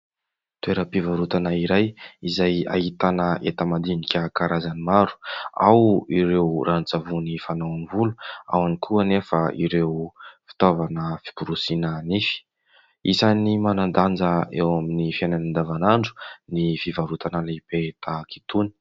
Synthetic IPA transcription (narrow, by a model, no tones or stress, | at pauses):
t̪ueɾəpivaɾut̪anaiɾajizaja̰hit̪anəet̪əmad̪inikʲəkaɾazanimaɾu̥a̰wiɾewrʔant͡savunifanawanivulu̥a̰wanikʰuənefaḭɾewfi̥t̪ovanəfi̥puɾusinənifi̥ | isanimanand̪and͡zəewaminifiajnanand̪avanaɳɖ͡ʐu̥nifivaɾut̪anəlepet̪aki̥t̪uni̥